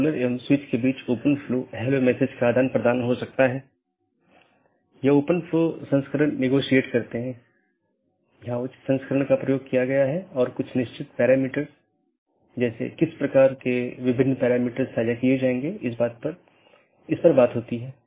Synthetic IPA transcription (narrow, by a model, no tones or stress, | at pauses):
ləɾemswɪt͡ʃkebiːt͡ʃoːpənfʰloːʔɛɦlomɛːsed͡ʒkaːd̪aːnpɾɐd̪aːnɦosɐk̚t̪aɦɛː | jɐoːpənfloːsɐ̃nskəɾəɳnɪɡoːʃijeːʈkɐɾt̪eɦɛ̃ː | jɐɦãʊt͡ʃsɐ̃nskəɾəɽ̃kapɾɐjoːɡ̚kijaɡɐjaɦɛɔːɾkʊt͡ʃʰnɪʃt͡ʃɪt̪̚pɛːɾaːmiːʈəɾz | d͡ʒɛːsḛkɪspɾɐkaːɾkeʋɪbʱɪnːpɛːɾaːmiːʈəɾzsaːd͡ʒakied͡ʒaːẽːŋɡeɪsbaːd̪̚pɐɾ | ɪspɐɾbaːt̪ɦoːt̪iɦɛː